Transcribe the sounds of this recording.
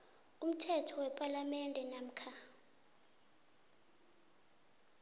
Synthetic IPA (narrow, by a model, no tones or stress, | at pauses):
um̩tʰɛtʰɔwɛpʼalamɛndʱɛnam̩kʰa